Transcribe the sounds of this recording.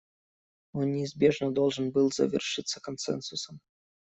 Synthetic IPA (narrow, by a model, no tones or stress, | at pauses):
ɔnnʲɪːzbʲeʐnɐd̪ɔlˠʐɨnbɨlˠzɐ̰vʲɪ̰rʂɨt̪sːəkɐnsɛ̰nsʊsɐm